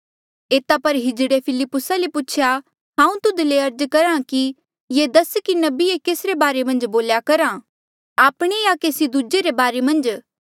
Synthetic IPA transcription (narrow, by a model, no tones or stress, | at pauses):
eːt̪apɐɾɦɪd͡ʒɽepʰɪlɪpːʊsalepʊt͡ʃʰja | ɦãːũt̪ʊd̪leɐɾd͡ʒkɐɾãki | jed̪ɐskinɐbiekeːsɾebaːɾemɐ̃nd͡ʒboːljakɐɾã | aːpɽ̃ejakeːsid̪ud͡ʒeɾebaːɾemɐ̃nd͡ʒ